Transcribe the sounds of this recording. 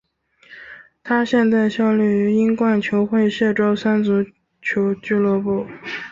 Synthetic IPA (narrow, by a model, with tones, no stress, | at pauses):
t̪ʰa˥ɕjɛ˥˧nt͡sa˥˩ɪɕjɑ˥˧ʊly˥˩y˧˥i˥nkwa˥˩nt͡ɕʰjo˧˥ʊxwe˥˧ɪɕjɛ˥˩ʈ͡ʂo˥ʊsa˥nt͡su˧˥ | t͡ɕʰjo˧˥ʊt͡ɕy˥˧lwɔ˥˧pu˥˩